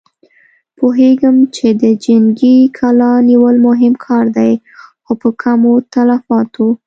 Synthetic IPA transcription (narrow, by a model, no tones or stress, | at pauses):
poɦeɡəmt͡ʃed̪əd͡ʒaŋɡikʰalɑniwəlmʊɦɪmkʰɑɾd̪aj | xopəkʰamot̪alafɑt̪ʰo